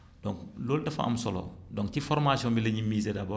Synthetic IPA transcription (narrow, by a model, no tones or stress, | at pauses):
d̥ɔŋkloːldɐfa̰ɐ̰msɔlɔ̰dɔ̃ŋktifɔɾmaːsjɔ̃mbilɐɲimiːzedɐbɔ